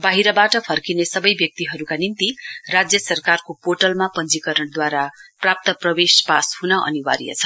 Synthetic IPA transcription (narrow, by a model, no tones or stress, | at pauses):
baɦiɾʌbaʈʌpʰʌrkinesʌbʌjbjʌk̚t̪iɦʌɾukanint̪irad͡zjʌsʌrkarkopoʈʌlmapʌnd͡zikʌɾʌɽd̪waɾaprap̚t̪ʌprʌwespashunʌʔʌ̰niwa̰ɾḭjʌ̰t͡sʰʌ